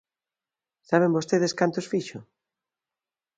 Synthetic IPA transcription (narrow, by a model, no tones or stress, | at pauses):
saβ̞embost̪eðeskant̪osfiʃʊ